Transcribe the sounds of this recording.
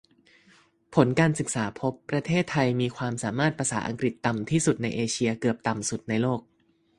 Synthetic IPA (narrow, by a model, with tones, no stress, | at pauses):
pʰo˩˦nkaː˧nsɯ˨˩k̚saː˩˦pʰo˦˥pːɾa˧t̪ʰeː˥˩t̪ʰːa˧jmiː˧kʰwaː˧msaː˩˦maː˥˩t̪̚pʰɾa˧saː˩˦ʔa̰˧ŋkɾi˨˩t̪ːa˨˩mt̪ʰiː˥˩su˨˩t̪̚na˧jʔeː˧t͡ɕʰi˧ɐkɯ˨˩əp̚t̪a˨˩msu˨˩t̪̚na˧jloː˥˩k̚